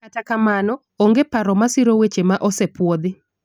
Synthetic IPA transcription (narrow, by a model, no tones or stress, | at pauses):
katakamanɔ | oŋɡepaɾɔmasɪɾowet͡ʃemaʔɔsepwod̪ɪ